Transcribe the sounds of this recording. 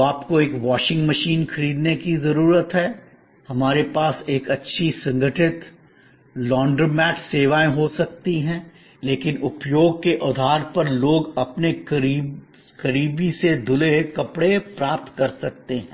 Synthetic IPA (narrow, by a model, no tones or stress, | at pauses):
aːpkoeːkʋaːʃɪ̃ŋɡmɐʃiːnxɐɾiːd̪nekizɐɾuːɾət̪ɦɛː | hɐmaːɾepaːseːkɐtːʃʰisɐ̃ŋɡʱəʈɪt̪ | lɔːɳɖəɾmɛːʈseːʋaːẽɦosɐk̚t̪iɦɛ̃ː | leːkɪnʊpjoːɡ̚keʔʊd̪ʱaːɾpɐɾloːɡɐpne | kɐɾiːbised̪ʱʊlekɐpɽepɾaːp̚t̪kɐɾsɐk̚t̪eɦɛ̃ː